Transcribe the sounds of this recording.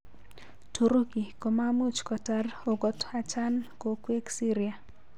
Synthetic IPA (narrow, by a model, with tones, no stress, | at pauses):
tʰo˨ɾo˦ɡi˨ko˨ma˦mu˦t͡ʃkɔ˨ta˨ro˨ɡɔ˨ta˨t͡ʃa˦nko˨kwe˦ksi˦ɾia˨